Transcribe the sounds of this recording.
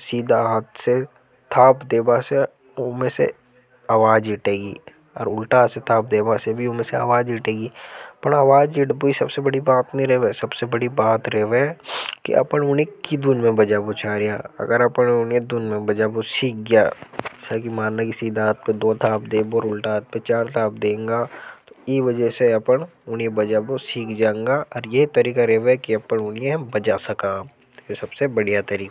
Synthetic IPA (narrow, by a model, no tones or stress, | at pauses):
siːd̪ʱaɦt̪se | t̪ʰaːpd̪eːbase | ʊmẽsḛ | aːʋaːd͡ʒɪːʈeːɡiː | ɔːɾʊlʈaset̪ʰaːp̚d̪eːbasebʱiʊmẽsea̰ːʋaːd͡ʒiːʈeːɡiːpɐɳaːʋaːd͡ʒiʈboisɐbsebɐɽibaːt̪neĩɾɛɦʋesɐbsebɐɽibaːt̪ɾɛɦʋekḭʔɐ̰pənʊnekːid̪unmẽbɐd͡ʒaːbot͡ʃʰaːɾijaɐ̰ɡəɾɐpənʊnjed̪uːnmẽbɐd͡ʒaːbosiːk̚ɡja̰ːsakimaːnnakisiːd̪aːt̪̚pẽd̪oːt̪ʰaːbd̪eːboɔːɾʊlʈaːt̪̚pet͡ʃaːɾt̪ʰaːb̚d̪ẽːŋɡat̪oiʋɐd͡ʒəseɐpəɳ | ʊniẽbɐd͡ʒaːbosiːkʰd͡ʒãːẽŋɡaʔɔːɾjeɦit̪ɐɾiːkaɾɛɦʋkiɐpəɳʊniẽbɐd͡ʒaːsɐkaː | esɐbsebɐɽijat̪ɐɾiːka